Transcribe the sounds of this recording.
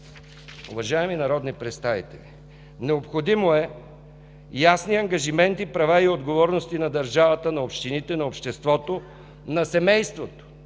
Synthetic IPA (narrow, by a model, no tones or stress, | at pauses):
ʊ̰vɐʒaɛminɐɾɔd̪nipɾɛt̪st̪avḭt̪ɛlʲi | nɛopxod̪imoɛ | jasniɐŋɡɐʒimɛnt̪ipɾɐvaiod̪ɡovɔɾnost̪inɐd̪ɐɾʒavət̪ənɐopʃt̪init̪ɛnɐopʃt̪ɛst̪vɔt̪o | nɐsɛmɛjst̪vot̪o̥